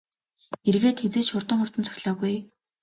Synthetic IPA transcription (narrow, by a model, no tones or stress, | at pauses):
erɣeːt̪xet͡seːt͡ɕʃʊrt̪ə̆ŋχʊr̥t̪ə̆nt͡sʰœ̥xʲɮɔːɣuj